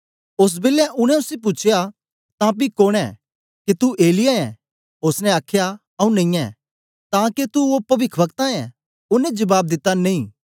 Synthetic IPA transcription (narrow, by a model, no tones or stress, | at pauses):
ʊs̬bɪlɛʔʊñɛ̃ʊsep̬ʊt͡ʃʰja | t̪ãp̬ikoːɽ̃ɛ̰ | kit̪uʔeːlɪjaɛ̃ | ʊsnɛaːkʰja | ɐũnɐ̃ĩːɛ̰ː | t̪ãːket̪uopɐʋɪkʰbɐkt̪ãɛ̃ | ʊnɛ̃d͡ʒɐbaːb̚d̪ɪt̪ːanɐ̃ĩː